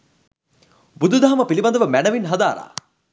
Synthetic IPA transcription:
bud̪ud̪aɦɐmɐpilibɐnd̪ɐʋɐmænɐʋinɦɐd̪aːɾa̰ː

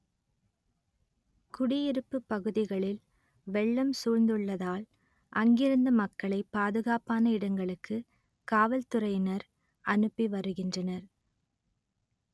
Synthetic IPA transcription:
kʊɽɪjɪɾɯpːɯpːɐɣɯðɪɣɐɭɪl | ʋɛɭːɐmsuːɻnd̪ɯɭːɐðaːl | ʔɐŋɡɪɾɯnd̪ɐmɐkːɐɭɐɪpaːðɯɣaːpaːnɐɪɽɐŋɡɐɭɯkːɯ | kaːʋɐlt̪ɯɾɐɪnɐɾ | ʔɐnɯpːiʋɐɾɯɣɪndrɐnɐɾ

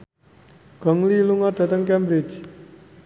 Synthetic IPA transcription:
ɡ̥ɔ̤ŋliluŋɔɖ̥ä̤t̪əŋkɛmbɾɪt͡ʃ

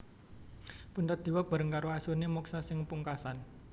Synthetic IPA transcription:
punt̪at̪̚d̪̥i̤wab̥a̤ɾəŋkaɾoasurnemɔksasɪŋpuŋkasan

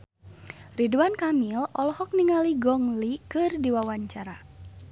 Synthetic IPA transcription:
riduankamilɔlɔhɔk̚niŋaliɡɔŋlikɨrdiwawaɲt͡ʃaɾa

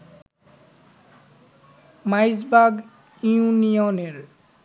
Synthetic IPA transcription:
majzbaɡ | iũnijɔneɹ

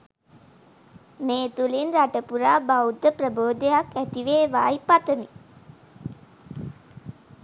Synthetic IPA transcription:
meːt̪ulinraʈəpuɾaːbawd̪ːəprəboːd̪ejakæt̪iʋeːʋaːjpat̪əmi

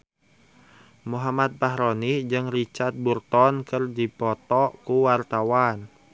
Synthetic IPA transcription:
muɦamat̪̚baɦɾonid͡ʒɨŋrit͡ʃart̪̚burt̪ɔnkɨrdipɔt̪ɔkuwart̪awan

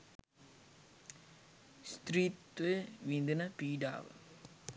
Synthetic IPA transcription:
st̪ɾiːt̪ʋeʋind̪ɨnɐpiːɖa̰ːʋɨ̰

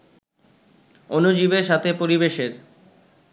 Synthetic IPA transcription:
onod͡ʑibeɾʃat̪ʰepoɾibeʃeɾ

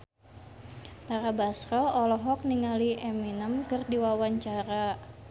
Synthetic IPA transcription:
t̪aɾabasɾɔɔlɔɦɔk̚niŋaliʔɛminəmkɨrdiwawaɲt͡ʃaɾa

